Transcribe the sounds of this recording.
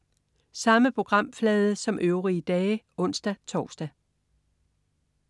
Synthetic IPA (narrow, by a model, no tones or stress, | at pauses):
sɑ̈məpʰʁo̝ɡ̥ʁɑ̈m̰flɛːð̞ˠəsɒ̽mʔøʊʁiəd̥ɛːʔɔ̽n̰sd̥æt͡sʰɒːsd̥æ